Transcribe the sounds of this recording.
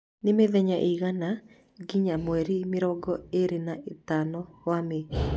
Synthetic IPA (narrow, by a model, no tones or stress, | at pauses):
nemeðɛɲaʔiɣana | ɡiɲamwɛɾimeɾɔɡɔeɾenaʔetanɔwame